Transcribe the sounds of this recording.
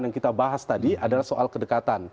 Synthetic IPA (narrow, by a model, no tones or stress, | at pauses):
njaŋkit̪abaɦast̪adiʔadalahsoʔalhkədəkat̪an